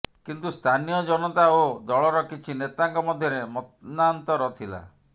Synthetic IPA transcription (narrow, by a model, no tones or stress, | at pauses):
kint̪ust̪ʰanijɔd͡ʒɔnɔt̪aod̪ɔɭɔɾɔkit͡ʃʰinet̪aŋkɔmɔd̪ʱjɔɾemɔt̪nant̪ɔɾɔt̪ʰila̰